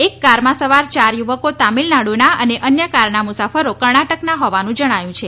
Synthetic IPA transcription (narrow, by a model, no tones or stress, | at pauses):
ekːaɾmãsəʋaɾt͡ʃaɾjuʋəkot̪amilnaɽunaəneʔənjəkaɾnamusafəɾokəɾɳaʈəknaɦɔʋanũd͡ʒəɽ̃ajũt͡ʃʰe